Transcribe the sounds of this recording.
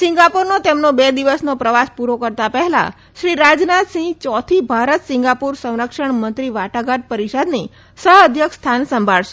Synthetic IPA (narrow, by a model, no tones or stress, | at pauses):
sɪ̃ŋɡapuɾnot̪emnobed̪iʋəsnopɾəʋaspuɾokəɾt̪apɛɦɛla̰ | ʃɾiɾad͡ʒnat̪sĩɡt͡ʃɔt̪ʰibʱaɾət̪sɪ̃ŋɡapuɾsə̃w̃ɾəkʃəɳmənt̪ɾiʋaʈaɡaʈ̪̚pəɾiʃad̪ni | səɦəd̪ʱjəkst̪ʰansəmbʱaɭʃe